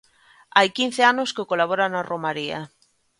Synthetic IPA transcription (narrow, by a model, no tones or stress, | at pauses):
ajkin̟θeanoskekolaβoɾanaromaɾia̰